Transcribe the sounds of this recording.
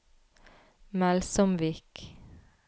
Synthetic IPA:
mælsɔmʋiːk

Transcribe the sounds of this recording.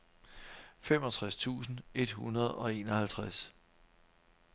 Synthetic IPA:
fem̰ɒ̽t͡sʰʁast͡sʰṵːsn̩e̝d̥hunɐð̞̩ˠɒ̽e̝̰ːnɒ̽hælt͡sʰʁas

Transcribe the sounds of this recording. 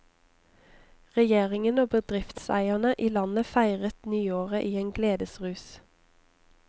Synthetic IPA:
ʁɛjeːʁɪŋənoːbəd̪ʁɪft̪sæ̰ɪənəʔiːlɑnəfæɪʁət̪nyːoːʁəʔiːeːnɡleːd̪əsʁʉːs

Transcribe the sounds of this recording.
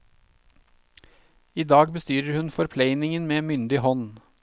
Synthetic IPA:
iːd̪ɑːɡbəst̪yːɾəɾhʉnfɔɾpʰleɪnɪŋənmeːmʏnd̪ɪhɔn

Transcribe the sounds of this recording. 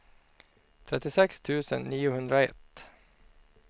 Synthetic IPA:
t̪ʰɾɛt̪ːɪsɛkst̪ʰʉ̟ːsə̰nːiːʊhɵnd̪ɾaɛ̰t̪ː

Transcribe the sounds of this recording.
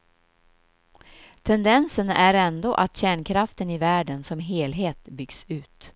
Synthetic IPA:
t̪ʰɛnd̪ɛnsənæɾɛnd̪o̰ːʔat̪ɕæːɳkʰɾaft̪ənɪvæːɖənsɔmɦeːlɦeːt̪bʏɡ̥sʉ̟ːt̪

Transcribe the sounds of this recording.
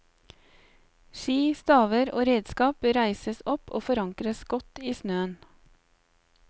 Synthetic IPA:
ʃiːst̪ɑːʋəɾo̰ːɾeːd̪skɑːpɾæɪsəsɔpʰo̰ːfɔɾɑŋkɾəsɡɔt̪iːsnøːən

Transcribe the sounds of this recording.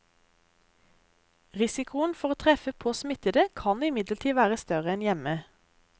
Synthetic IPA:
ʁɪsɪkʊənfɔʁoːt̪ʰʁɛfəpʰoːsmɪt̪əd̪əkʰɑnɪmɪd̪lət̪ʰiːʋæːʁəst̪œʁəɛnjɛmə

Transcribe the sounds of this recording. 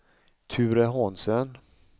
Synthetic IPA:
t̪ʰʉːɾɛɦɔnsən

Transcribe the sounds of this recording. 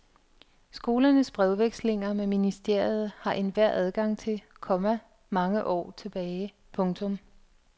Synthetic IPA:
sɡ̥o̝ːlɐnəsb̥ʁɛʊʋeɡ̥sle̝ŋɐmeminisd̥e̝ɐ̰jð̞̩ˠhɑ̈ʔe̝nʋæɐ̰æð̞ˠɡ̥ɑ̈ŋ̰t͡sʰe̝lkʰɒ̽mæ | mɑ̈ŋəʔɒ̰ːt͡sʰe̝b̥ɛːɪ | pʰɔ̽ŋt͡sʰɔ̽m

